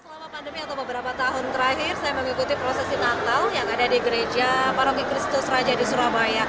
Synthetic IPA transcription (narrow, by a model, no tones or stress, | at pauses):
səlamapandəmiat̪awbəbəɾapat̪aɦʊnt̪əɾahɪrsajaməŋikut̪ipɾosɛsinant̪aljaŋadadiɡəɾed͡ʒapaɾokikɾɪst̪ʊsrad͡ʒadisuɾabaja